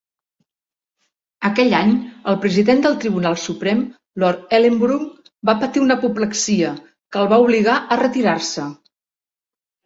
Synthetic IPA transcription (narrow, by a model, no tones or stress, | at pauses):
əkɛʎaɲəlˠpɾəziðend̪əlˠt̪ɾiβunalˠsupɾɛm | lɔɾɛlembɾuk | bapət̪iunəpupləksiə | kəlˠβauβliɣaʔərət̪iɾarsə